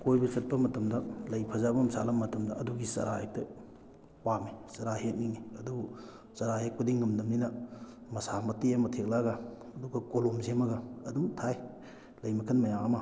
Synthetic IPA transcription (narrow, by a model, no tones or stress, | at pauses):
kojbɐsɐt̚pɐmɐtɐmdɐlɐjpʰɐzabɐmsa̰lɐmɐtɐmdɐɐduɡisɐ̰ɾahek̚tɐ | wamisɐɾahek̚niŋiɐdu | sɐɾahek̚pɐdiŋːɐmdɐmninɐmɐsamɐtijamɐtʰek̚laɡaːduɡɐkolomzemɐɡɐːdumtʰaj | lɐjmɐkʰɐnmɐjaŋɐmɐ